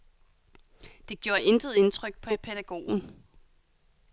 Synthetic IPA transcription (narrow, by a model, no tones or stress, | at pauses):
d̥e̝ɡ̥jo̝ːɐʔe̝nd̥ʁəð̞̩ˠe̝nt͡sʰʁœɡ̥̚pʰɒ̽pʰeɾ̥æɡ̥o̝̰ːn̩